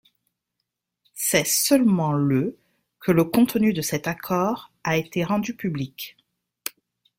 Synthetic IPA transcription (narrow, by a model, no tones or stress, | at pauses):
sɛsœlmɑ̃lə | kʰələkɔ̃t̪nyd̪əsɛt̪akʰɔʁaet̪eʁɑ̃d̪ypyblik